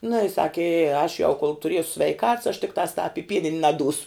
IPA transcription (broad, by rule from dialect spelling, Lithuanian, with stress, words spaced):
nʊ ɪ ˈsɑːkʲɪ ɪ ɐʃ jɛʊ koːlˠ tʊˈrʲiɛsʊ sʲʋʲɛɪˈkɐts ɐʃ tʲɪkˈtɑːs tɑːp ɪ ˈpʲiɛnʲɪnʲ nɐˈduːsʊ